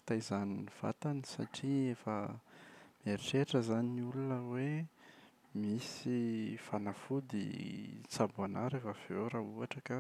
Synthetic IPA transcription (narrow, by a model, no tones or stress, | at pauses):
i̥t̪ajzaniniv̥a̰t̪anisa̰ʈ͡ʂiefə | meɾiʈ͡ʂeʈ͡ʂəzaninulunəwe | misifanafud̪ḭt͡sabuanaɾakav̥eɾauaʈ͡ʂəka